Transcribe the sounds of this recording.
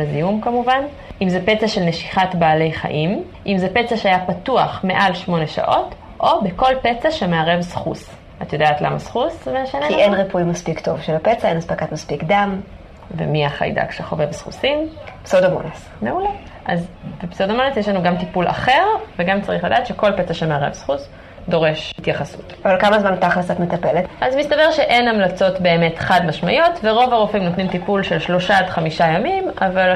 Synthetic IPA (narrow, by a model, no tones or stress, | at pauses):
lazijumkamuvan | ʔimzepet͡saʃelneʃi̥χatbaːle̞jχa̰ʔim | ʔimzepet͡saʃeajapatuaχme̞ʔalʃmo̞neʃa̰ʔo̞t | ʔo̞beko̞lpet͡saʃemeaʁevsχṵs | atajo̞d̪aːt̪lamasχusmeʃaneienʁipuimaspikt̪o̞vʃelapet͡saenaspakat̪maspikd̪am | vḛmiaχa̰jda̰kʃeχo̞̰vevsχṵsimpsodamo̰nes | meule | ʔazbepsodamo̞nesjeʃ̬lanuɡamtipula̰χe̞ʁveɡamt͡saʁiχladaːt̪ʃe̞ko̞lpet͡saʃemeaʁḛvsχus | do̞ʁe̞ʃhitjaχasṵtavalkamazmantaχlasatmet̪ape̞letʔazmist̪abeʁʃe̞ʔe̞namlat͡so̞tbe̞ːme̞tχadmaʃmajotveʁo̞vaʁofimnot̪nimt̪ipulʃe̞lʃlo̞ʃadχamiʃajamimaval